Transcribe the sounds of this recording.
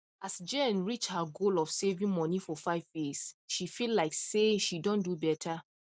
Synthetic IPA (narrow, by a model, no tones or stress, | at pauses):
ʔasd͡ʒẽnɹit͡ʃhaɡolɔfsevĩŋmɔnifɔfaɪvjisʃifillaɪkseʃidɔ̃ndubɛtʰa